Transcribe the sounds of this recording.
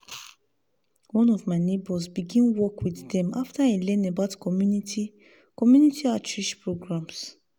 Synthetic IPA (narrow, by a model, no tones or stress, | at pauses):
wɔ̃nɔvmaɪnebɔsbiɡĩnwɔkwiddɛ̃maftailɛ̃nabaʊtkʰɔmjunitʰi | kɔmjunitiatɹiʃpɹoɡɹãms